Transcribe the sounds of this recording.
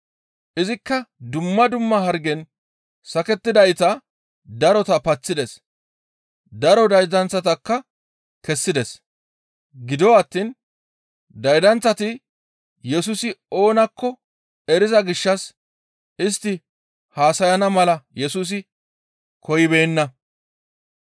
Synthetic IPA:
ʔɪzɪkːɐd̪ʊmːɐd̪ʊmːɐɦɐɾɡɛn | sɐkɛt̪ːɪd̪ɐjt̪ɐ | d̪ɐɾɔt̪ɐpɐt͡sːɪd̪ɛs | d̪ɐɾɔd̪ɐjd̪ɐnt͡sːɐt̪ɐkːɐ | kɛsːɪd̪ɛs | ɡɪd̪ɔwɐt̪ːin | d̪ɐjd̪ɐnt͡sːɐt̪ɪ | jɛsuːsɪo̞ːnɐkʰːɔ | ɛɾɪzɐɡɪʃːɐs | ɪst̪ːɪ | haːsɐjɐnɐmɐlɐjɛsuːs̬ɪ | kɔjɪbeːnːɐ

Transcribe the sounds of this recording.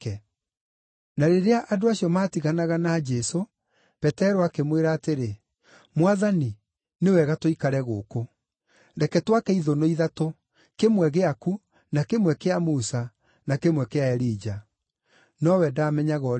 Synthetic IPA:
kɛ | naɾeɾeaʔadoaɕiɔmaːtiɣanaɣanad͡ʒɛso | pɛtɛɾoakemweɾaːteɾe | mwaðani | newɛɣatoikaɾɛɣo̰ːko | ɾɛkɛtwakɛiðonoiðato | kemwɛɣeaku | nakemwɛkeamusa | nakemwɛkeaɛɾiːd͡ʒa | nɔwɛdaːmɛɲaɣɔ

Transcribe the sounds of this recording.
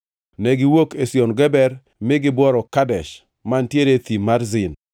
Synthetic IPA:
nɛɡɪwokesjonɡɛbɛɾ | mɪɡɪbwɔɾɔkadɛʃ | mantjeɾet̪imaɾzɪn

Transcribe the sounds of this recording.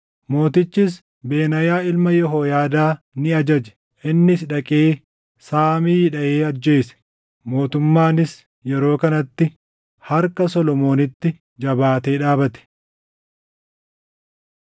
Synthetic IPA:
mo̞ːt̪ɪt͡ʃːɪs̬ | beːnɐjaːɪlmɐjɔɦoːjaːd̪aː | nɪɐd͡ʒɐd͡ʒɛ̥ | ʔɪnːɪsᶑɐkʼeː | saːmiːjɪᶑɐʔeːɐd͡ʒːe̞ːsɛ̥ | mo̞ːt̪ʊmːaːnɪs | jɛɾo̞ːkɐnɐt̪ːɪ | hɐɾkɐsɔlɔmo̞ːnɪt̪ːɪ | d͡ʒɐbaːt̪e̞ːᶑaːbɐt̪ɛ̥

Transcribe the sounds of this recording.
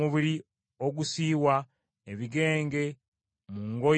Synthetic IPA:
uβiɾi | oɡusiːwa | eβiɡe̞ːŋɡe̞ | muŋɡo

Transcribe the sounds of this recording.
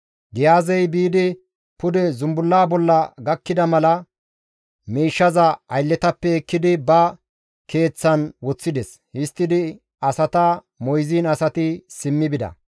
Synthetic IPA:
ɡɪjaːzɛjbiːd̪ɪ | pʊd̪ɛzʊmbʊlːaːbɔlːɐɡɐkːɪd̪ɐmɐlɐ | miːʃːɐzɐɐjlːɛt̪ɐpːɛɛkːɪd̪ɪbɐ | ke̞ːt͡sːɐnwɔt͡sːɪd̪ɛs | hɪst̪ːɪd̪ɪ | ɐsɐt̪ɐ | mɔjziːnɐsɐt̪ɪsɪmːɪbɪd̪ɐ̰

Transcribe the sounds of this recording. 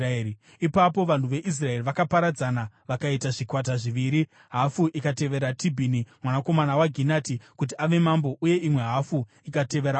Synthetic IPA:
i | ipapo̞ʋan̤uʋe̞ʔis̬rae̞riʋakapaɾad͡zanaʋakaitaʐikwat̬aʐiʋiːɾi | ɦafuʔikate̞ʋe̞ɾatʰibʱinimwanako̞manawaɡʱinaːtikut̬iaʋe̞mambo̞ʔuje̞ʔimwe̞ɦafu | ikate̞ʋe̞ɾa

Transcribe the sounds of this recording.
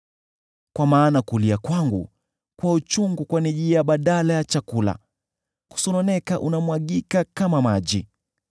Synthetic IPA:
kwamaːnakuliakwaŋɡṵ | kwaut͡ʃuŋɡukwaniʄijaɓaɗalajat͡ʃakula̰ | ku̥sɔnɔnɛkaʔunamwaɠikakamamaʄi

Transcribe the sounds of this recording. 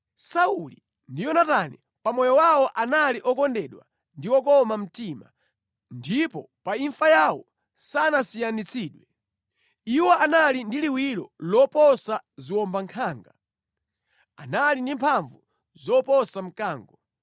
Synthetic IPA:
sauli | ndijɔnatanɛ | pamɔjɔwawɔʔanaliʔɔkɔndɛɗwa̰ | ndiwɔkɔmam̩tima̰ | ndipɔ | paiɱfajawɔ | sanasijanit͡sʰiːɗwɛ | iwɔanalindiliwiɾɔ̰lɔpɔsaziwɔmbaŋkʰaːŋɡa | a̰nalindimpʰaɱvu | zɔpɔsam̩kaːŋɡɔ

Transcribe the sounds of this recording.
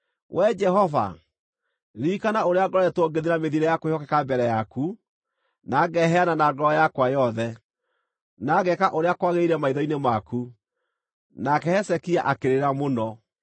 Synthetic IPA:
wʔɛd͡ʒɛɦɔva̰ | ɾikanaoɾeaɡɔɾɔɛtoɡeðeɾameðiɾɛjakohɔkɛkabɛɾɛjaku | naːɡɛɦɛananaɡɔjakwajɔðɛ | naɣɛkaʔoɾeakwaɣeiɾɛmaiðɔinemaku | nakɛhɛsɛkiaʔakeɾeɾamonɔ

